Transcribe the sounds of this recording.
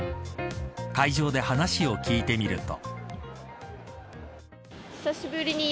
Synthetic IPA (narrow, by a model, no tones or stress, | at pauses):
kaiʑo̞ːd̪e̞hanaɕio̞kʲiːt̪e̞mʲiɾɯ̟t̪o̞̰ | sasibɯɾʲiɲi